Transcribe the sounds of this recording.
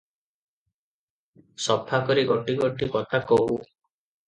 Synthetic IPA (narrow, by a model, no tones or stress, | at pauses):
sɔpʰakɔɾiɡɔʈiɡɔʈikɔt̪ʰakɔɦu